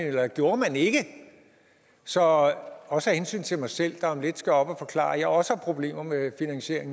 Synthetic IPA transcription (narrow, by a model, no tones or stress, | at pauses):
nelɐɡ̥jo̝ːɐmæne̝ɡ̥ə | sɒ̽ɒ̽səhæhensy̰ːnt͡sʰe̝mɑ̈ɪsel̰d̥ɑ̈ɒmle̝d̥sɡ̥æɒ̽b̥æfɒ̽kʰlɑ̰̈ːɐjɑ̈ɪɒ̽səhɑ̈pʰʁo̝b̥le̝̰ːmɐmefinæŋɕe̝ɐ̰eŋ